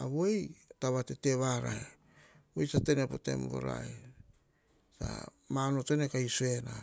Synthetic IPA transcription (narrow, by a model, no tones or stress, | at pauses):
aβojtaβatete̞βaɾae | bojtate̞nepote̞̰mbo̞̰ɾa̰j | sa̰ | manotenekajsue̞na